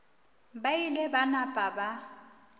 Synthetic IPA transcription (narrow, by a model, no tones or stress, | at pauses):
bailɛbanapʼaba